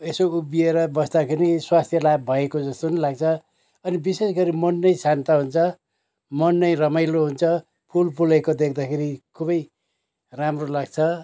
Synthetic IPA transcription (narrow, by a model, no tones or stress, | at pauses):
esoubieɾʌbʌsd̪akʰeɾiswast̪ʰjʌlabbʱʌekod͡zʌst̪onilaɡ̚t͡sʰʌ | ʌnibisesɡʌɾimʌnːʌjsant̪aɦunt͡sʰʌ | mʌnːʌjrʌmʌjloɦunt͡sʰʌ | pʰulpʰulekod̪ekʰd̪akʰeɾikʰubʌj | ramrolaɡt͡sʰʌ